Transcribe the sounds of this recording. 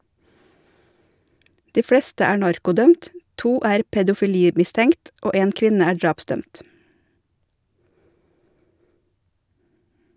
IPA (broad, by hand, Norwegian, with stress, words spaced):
ˈdiː ˈfɽɛstə ˈæː ˈɳɑɾkʊˌdœmt ˈtuː ˈæːɾ pɛdʊfɪˈliːmɪstəŋkt ˈoː ˈeːn ˈkʋɪnə ˈæː ˈɖɾɑːpˌsdœmt